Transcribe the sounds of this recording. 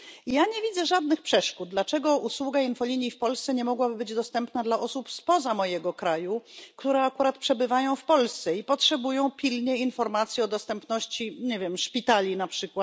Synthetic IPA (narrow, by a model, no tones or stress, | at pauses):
jaɲɛvʲid̪zɛʐad̪nɘxpʂɛʂkud̪̚d̪lat͡ʂɛɡɔuswuɡainfɔlʲiɲifpɔlst̪sɛɲɛmɔɡwabɘbɘd͡ʑd̪ɔst̪ɛmpnad̪laʔɔsupspɔzamɔjɛɡɔkɾajukt̪uɾɛakuɾat̪pʂɛbɘvajɔ̃w̃fpɔlst̪sɛipɔtʂɛbujɔ̃w̃pʲilɲɛinfɔɾmat̪sʲjiɔd̪ɔst̪ɛmpnɔɕt͡ɕiɲevʲjɛmʂpʲit̪alʲinapʂɘkwat̪